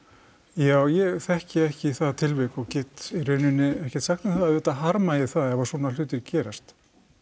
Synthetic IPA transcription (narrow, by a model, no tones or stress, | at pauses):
jaːwjɛɣθɛhcɪɛhcɪθaðt̪ʰɪlvɪkɔɣcɛːt̪irʏːɥnʏnːɪɛhcɛɾ̥t̪saxt̪ɪmθaðaðɛt̪aɦaɾmajɛθaðɛvḁsɔːnalʏːt̪ɪɾcɛːɾast̪